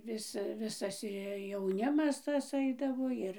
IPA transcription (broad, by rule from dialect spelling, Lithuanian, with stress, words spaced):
ˈʋʲɪs ˈʋʲɪsɐs ɪ jɛʊˈnʲɪmɐs ˈtɐs ˈɐɪdɐʋoː ˈɪr